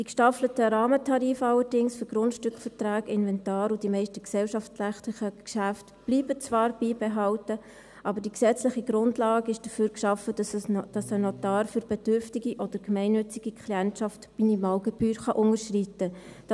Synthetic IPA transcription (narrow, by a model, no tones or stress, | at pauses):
d̥ikʃtɑflətəɾɑːmətʰɑɾiːfɑlːəɾdɪŋsfyɾɡɾʊntʃtʏkfəɾtraːɡɪnvɛntɑːɾud̥imɛɪʃtəksɛlʃɑftlæftlɪχəkʃæftb̥liːbət͡svɑːɾb̥iːbɛɦɑltə | ʔɑbəɾdiksɛt͡slɪχiɡɾʊndlɑːɡɪʃd̥əfyːɾkʃɑfəd̥ɑsənɔtɑːɾfyɾb̥ɛdʏɾftiɡiʔɔd̥əɾɡmɛɪnːʏt͡sɪɡ̥ikʰliɛntʃɑftminimɑːlɡɛb̥yːɾχɑʔʊŋəɾʃritːəd̥